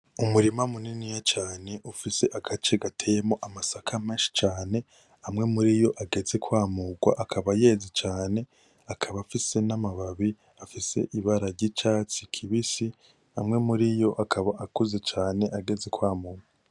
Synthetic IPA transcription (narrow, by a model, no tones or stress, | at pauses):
umuɾimamuninijat͡ʃaːne̞ʔufise̞ʔaɡat͡ʃe̞ɡatʰejemo̞ʔamasakʰameːʃi̥t͡ʃaːne̞ | amŋe̞muɾijo̞ʔaɡe̞ze̞kwaːmuɡwa̰ʔakʰaβaje̞ːzit͡ʃaːne̞ | akʰaβafise̞namaβaβi | afise̞̰ʔiβaɾaɾɟit͡ʃaːt͡sikʰiβisi | amŋe̞muɾijo̞ʔakʰaβaʔakuzet͡ʃaːne̞ʔaɡe̞ze̞kwaːmuːɡwa